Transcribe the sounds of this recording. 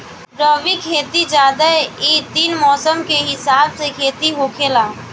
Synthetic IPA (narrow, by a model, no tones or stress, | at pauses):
ɾəʋikʰeːt̪id͡ʒaːd̪əit̪iːnmɔːsəmkeɦɪsaːbsekʰeːt̪iɦoːkʰelaː